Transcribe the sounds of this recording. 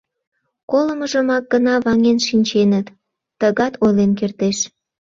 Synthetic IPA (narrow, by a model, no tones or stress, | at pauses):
koləməʒəmɑk̚ɡənɑβɑŋenʃinʲt͡ɕenət̪ː | əɣɑt̪ʰojlenkert̪eʃ